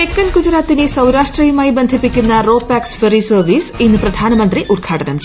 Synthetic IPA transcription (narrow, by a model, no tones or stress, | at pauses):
ekːɐnkud͡ʑɾaːt̪ːinesɐwɾaːʂʈriːjumaːjibɐnd̪ʱipːikʲːunːɐro̞ːpːaːksferisɐrʋiːsinːɨprɐd̪ʱaːnɐmɐnd̪riʔurɡʰaːʈɐnɐmt͡ɕ